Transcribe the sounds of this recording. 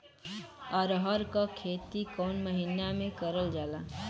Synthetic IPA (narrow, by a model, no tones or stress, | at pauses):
aɾɦəɾkakʰeːt̪ikɔːnməɦɪnamẽkəɾəld͡ʒaːlaː